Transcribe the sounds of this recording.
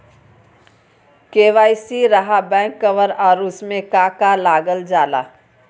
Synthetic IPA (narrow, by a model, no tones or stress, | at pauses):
keːʋaːisiɾɐɦabɛ̃ːŋkːəʋəɾɔːɾʊsmẽkaːkalaːɡəld͡ʒaːla̰ː